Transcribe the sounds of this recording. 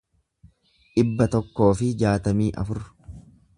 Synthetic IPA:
ᶑɪbːɐt̪ɔkːo̞ːfɪd͡ʒaːt̪ɐmiːʔɐ̰fʊɾ

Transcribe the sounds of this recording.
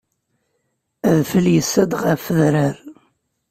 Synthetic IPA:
æðfəljəsːæd̪ʁəfəðɾəɾ

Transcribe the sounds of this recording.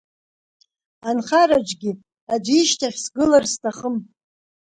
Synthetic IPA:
anχaɾad͡ʒɡʲi | ad͡ʒʷiʃtʰaχʲsɡɨlarstʰaχəm

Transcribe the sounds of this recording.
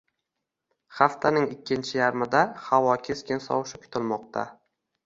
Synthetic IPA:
χaft̪ʰanɪŋɪkʲʰːɪnt͡ʃʰɪjaɾmɪd̪ahavɒkʲʰeskʲɪnsɒ̰wʃɪkʰʊ̥t̪ʰɪlmɒq̚t̪ʰa̰

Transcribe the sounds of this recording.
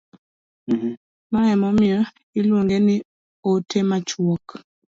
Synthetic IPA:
maɛmɔmɪɔ | ɪlwoŋɡenɪ | otemat͡ʃwɔk

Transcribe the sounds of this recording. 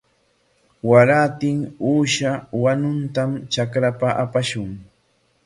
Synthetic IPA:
waɾat̪ɪŋuːʃawanʊnt̪amt͡ʃakɾapaʔapaʃʊŋ

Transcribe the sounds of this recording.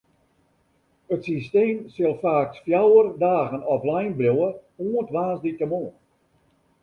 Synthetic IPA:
ətsisteːmsɪlˠfaːksfjawərdaːɣənɔflɛjnblowəuəntʋaːsditəmoːən

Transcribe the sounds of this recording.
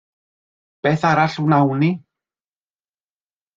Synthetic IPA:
b̥eːθaɾaɬuwnawni

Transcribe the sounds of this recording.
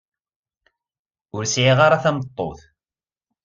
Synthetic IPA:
ʊɾsʕiʁaɾˤaθæmət̪ˤːoθ

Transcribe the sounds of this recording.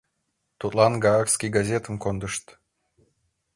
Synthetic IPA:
t̪ut̪lˠɑnɡɑɑkskʲijɡazʲet̪əmkond̪əʃt̪

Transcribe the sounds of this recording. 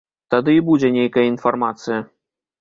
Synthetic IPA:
t̪ad̪ɨibud͡zʲɛnʲejkɐjɐinfarmat̪sɨjɐ

